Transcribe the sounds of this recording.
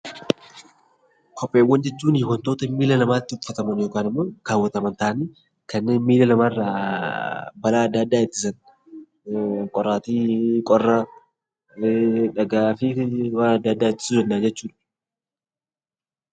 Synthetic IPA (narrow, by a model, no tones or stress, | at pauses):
kʰɔpʼːeːwːɐnd͡ʒɛt͡ʃːuːniwɐnt̪o̞ːt̪ɐmiːlɐlɐmaːt̪ːɪʊfːɐt̪ɐmɐnjoːkaːnɪmːoːɡ̥aːwːɐt̪ɐmɐnt̪aːʔniː | kɐnːeːnmiːlɐlɐmaːrːaː | bɐlaːɐd̪ːɐd̪ːaːɪt̪ːɪ̥sɐn | kʼɔrːaːt̪iːkʼɔrːɐ | ᶑɐɡaːfiwaːnɐd̪ːɐd̪ːaːɪt̪ːɪ̥suːd̪ɛnːaːd͡ʒɛt͡ʃːuːᶑ̥